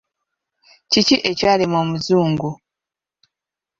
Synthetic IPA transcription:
ciciʔe̞caːlemoːmuzuːŋɡu

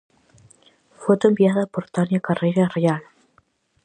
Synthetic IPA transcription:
fot̪oembiaðapoɾt̪anjakarejɾareal

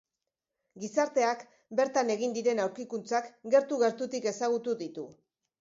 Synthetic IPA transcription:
ɡisaɾt̪e̞ak | be̞ɾt̪ane̞ɣind̪iɾe̞nawɾkikunt͡sakɡe̞ɾt̪uɣe̞ɾt̪ut̪ike̞saɣ̞ut̪uðit̪u

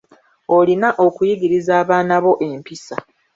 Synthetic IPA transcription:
o̞linaʔo̞kujiɡiɾizaːβaːnaβo̞ʔe̞mpisa

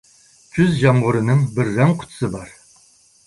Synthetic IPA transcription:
t͡ʃʰyzʒamʁʊɾɨnɨŋbɨrːɛŋqʰʊ̥t̪ʰsɨbaɾ

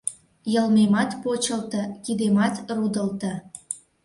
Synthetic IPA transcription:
jɤ̆lmemɑt̪pot͡ɕə̆lt̪ɤ̆kid̪emɑt̪rud̪ə̆lt̪ə̆

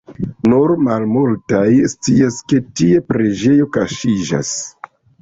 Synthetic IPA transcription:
nuɾmalmultajst͡siaske̞tie̞pɾe̞d͡ʒe̞jo̞kaʃid͡ʒa̰s

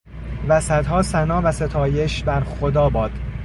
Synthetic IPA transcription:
væsæd̪ɦɒːsænɒːvæse̞t̪ʰɒːje̞ʃbæɾxod̪ɒːbɒːd̪̥

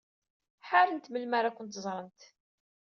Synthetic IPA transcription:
ħaɾənt̪məlmaɾakʷːʊnt̪zˤɾˤənt̪

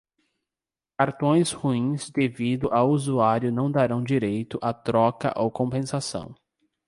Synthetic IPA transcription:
kaɾt̪õj̃shuĩzd̪evid̪ʊʔawuzuaɾjʊnɐ̃w̃d̪aɾɐ̃w̃d͡ʒiɾejt̪ʊʔat̪ɾɔkɐ̰ʔowkõpẽsasɐ̰̃w̃

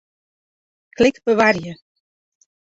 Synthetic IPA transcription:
kʰlɪkbəʋarjə

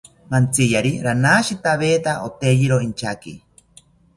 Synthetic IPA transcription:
mant͡sijaɾiɾanaːʃit̪aβeːt̪aʔot̪ejiɾoint͡ʃʰakḭ

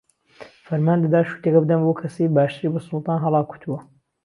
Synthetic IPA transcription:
fɐɾmaːnd̪ɐd̪aːʃu̥t̪ekɐbɨd̪ɐnbokʰɐsijbaːʃt̪ɨɾibɐsʊlˠt̪ɑːnɦɑlˠɑːku̥t̪uwɐ

